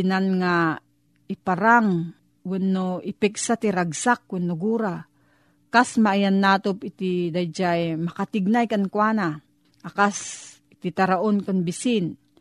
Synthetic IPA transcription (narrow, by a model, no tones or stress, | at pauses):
inanŋa | ipaɾaŋ | wɛnːoipɛk̚sat̪iɾaɡsak̚wɪnːoɡuɾa | kasmaːjanːaːt̪opit̪id̪ajd͡ʒajmakat̪iɡ̚najkankwaːna | ʔakas | it̪it̪aɾaʔonkanbisin